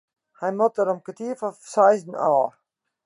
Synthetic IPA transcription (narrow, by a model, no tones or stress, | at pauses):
hajmɔt̪̚əɾɔmkət̪iːfɔfsajznɑː